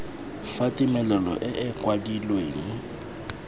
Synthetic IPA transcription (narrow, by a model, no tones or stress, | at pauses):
fatʼimɛlɛlɔ̰ʔɪʔɪkʼwadilweːŋ̩